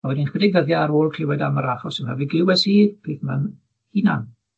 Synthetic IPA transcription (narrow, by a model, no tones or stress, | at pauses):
awɛdinχwɛdɪɡvəðjaːɾoːlˠkʰlɪwɛdamaɾaχɔsənmaviɡlɪwɛsiːrpʰiːθman | hinan